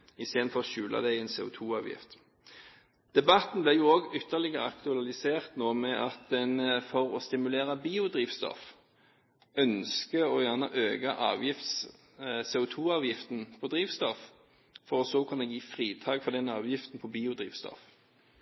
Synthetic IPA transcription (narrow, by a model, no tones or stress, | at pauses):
ɪst̪eːd̪n̩fɔʁʃʉːlʔɑ̰d̪æɪɛnsḛːʊ̰t̪ʰuːɑːʋjɪ̰ft̪ | d̪̥ɛbɑt̪n̩blɛjuːoːɡʏt̪ʰːəlɪɡəʁəɑkt̪ʉɑlɪseːʁt̪noːmɛʔɑt̪̚d̪ɛnfɔʁɔst̪ɪmʉleːʁɑbiːʊd̪ʁiːʋst̪ɔ̰f | œnskəɔjæːʁnəʔøːɡɑʔɑ̰ːʋjɪft̪s | seːʊt̪ʰuːɑːʋjɪft̪n̩pʰɔd̪ʁiːʋst̪ɔf | fɔʁɔsɔkʰʉnːəjiːfʁiːt̪ʰɑːɡfɔd̪ɛnɑːʋjɪft̪n̩pʰɔbiːʊd̪ʁḭːʋst̪ɔ̰f